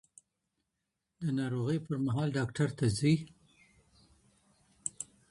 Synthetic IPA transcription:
d̪ənɑɾoɣəjpəɾmaɦɑlɖɑkʈaɾt̪ʰazi

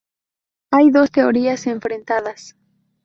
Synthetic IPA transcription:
ajðo̞st̪e̞oɾiase̞ɱfɾẽnt̪aðas

